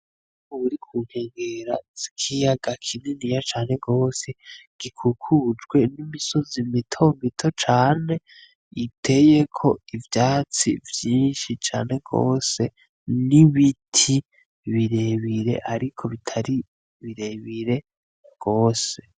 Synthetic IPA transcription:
moβuɾikʰuːŋ̥he̞ːŋɡeɾaz̥ikʰijaɡakʰinenijat͡ʃaːne̞ɡo̞ːseɡ̥ikʰukʰud͡ʒɡwe̞nimiso̞zimitʰo̞mitʰo̞t͡ʃaːne̞ | itʰe̞je̞kʰo̞ivjaːt͡sivjiːnʃit͡ʃa̰ːne̞ɡo̰ːse̞ | niβitʰi | βiɾe̞βiɾe̞̰ʔaɾikʰo̞βitʰaɾi | βiɾe̞βiɾe̞ | ɡ̥o̞ːse̞

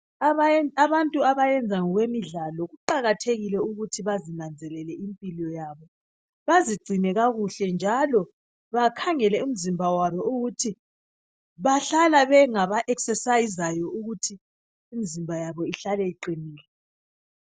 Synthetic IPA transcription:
aβantʼuaβajɛnd͡zʱaŋɔɣwemiɮalɔɣuǃaɣatʰeɣilɛuɣutʰiβazinand͡zʱɛlɛlɛimpʼilɔjaːβɔ | βaziɡ͡ǀʱinɛɣaɣuɬɛnd͡ʒʱalɔ | βakʰaŋɛlɛum̩zimbʱawaβɔuɣutʰi | βaɬalaβɛŋaβaʔɛksɛsajizajɔuɣutʰiː | mizimbʱajaβɔiɬalɛiǃiniːlɛ

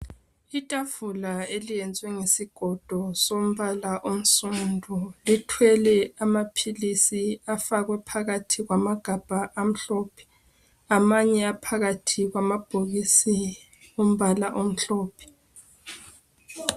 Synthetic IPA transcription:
itʼavulaelijɛnd͡zʱwɛŋesiɡ̥ʱɔd̥ʱɔsom̩βalaʔom̩sundʱulitʰwɛlɛamapʰilisiafaɣwɛpʰaɣatʰiɣwamaɡ̥ʱab̥ʱaʔam̩ɬɔːpʰɛ̥ | amaɲɛapʰaɣatʰiɣwamab̥ʱoɣisi | um̩βalaʔom̩ɬɔːpʰɛ̥

